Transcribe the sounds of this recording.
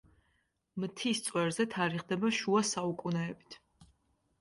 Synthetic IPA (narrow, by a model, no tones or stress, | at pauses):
mt̪ʰist̪sʼwɛɾzɛt̪ʰaɾiχd̪ɛbaʃuasaukʼunɛːbi̥t̪ʰ